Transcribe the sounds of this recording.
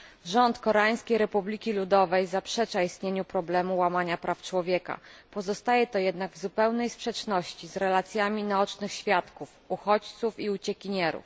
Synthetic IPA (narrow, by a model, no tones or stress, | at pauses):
ʐɔnt̪kɔɾaj̃skʲejɾɛpublʲikʲilud̪ɔvɛjzapʂɛt͡ʂaist̪ɲeɲupɾɔblɛmuwamaɲapɾaft͡ʂwɔvʲjɛka̰pɔzɔst̪ajɛt̪ɔjɛd̪naɡvzupɛwnɛjspʂɛt͡ʂnɔɕt͡ɕizɾɛlat̪sʲjamʲinaɔt͡ʂnɘxɕfʲjat̪kuf | uxɔt͡ɕt̪sufiut͡ɕɛkʲiɲɛɾṵf